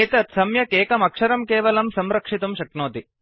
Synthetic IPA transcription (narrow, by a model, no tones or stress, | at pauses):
eːt̪ɐt̪sɐmjɐkeːkɐmɐkʂɐɾɐmkeːʋɐlɐmsɐmɾɐkʂit̪ɐmʃɐknoːt̪i